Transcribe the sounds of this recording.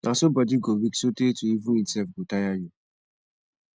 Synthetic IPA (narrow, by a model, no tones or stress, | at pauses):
nʔasobɔdiɡowiksotetuivũnimsɛfɡotajaju